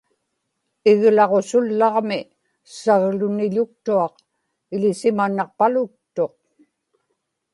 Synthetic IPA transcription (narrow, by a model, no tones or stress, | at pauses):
ɪɣlɑʁo̞sʊlːɑʁmɪ | saɣlʊnɪʎʊk̚t̪uɑq | ɪlɪsɪmanːɑq̚palʊk̚t̪o̞q̚